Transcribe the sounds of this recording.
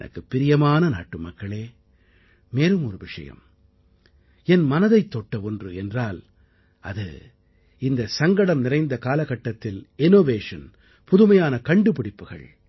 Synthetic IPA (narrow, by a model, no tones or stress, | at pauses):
nɐ̰kːɯpːɪɾɪjɐmaːnɐna̰ːʈːɯmɐkːɐɭeː | meːlɯmɔɾɯʋɪʂɐ̰jɐ̰m | ɛnmɐnɐðɐɪt̪ːɔʈːɐɔndrɯɛndraːl | ɐðɯ̰ | ɪnd̪ɐsɐŋɡɐɽɐmnɪrɐɪnd̪ɐkaːlɐɣɐʈːɐt̪ːɪlɪnoːʋeːʂɐn | pʊðɯmɐjaːnɐkɐɳɖɯpɪɽɪpːɯɣɐ̰ɭ